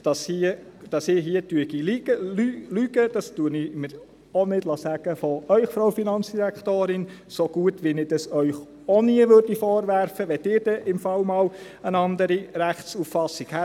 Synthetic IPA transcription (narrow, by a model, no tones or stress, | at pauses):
d̥ɑshiəd̥ɑsɪːɦiətyəɡilyəlylyɡəd̥ɑstuənɪmɪɾ | ɔnɪd̥lɑsæɡ̥əfɔœʏxfɾoʊfinɑnt͡sd̥iɾækχt̪oːɾɪn | soɡ̥uətʋinɪd̥ɑsœʏχ | ɔniəʋøɾd̥ifɔːɾʋæɾfəʋɛtɪːɾd̥ɛʔɪmfɑlmɑːl | ənɑnd̪əɾiɾæχt͡sufːɑsːikhæ